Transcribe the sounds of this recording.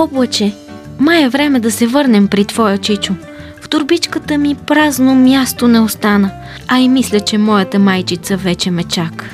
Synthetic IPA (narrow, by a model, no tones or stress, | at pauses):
ɔbət͡ʃɛ | majɛvɾɛmɛd̪ɐsɛvɤɾnɛmpɾit̪vɔjət͡ʃit͡ʃʊ | ft̪ʊɾbit͡ʃkət̪əmipɾaznomʲjast̪onɛost̪anə | ɐimislʲət͡ʃɛmɔjət̪əmajt͡ʃit̪səvɛt͡ʃɛmɛt͡ʃak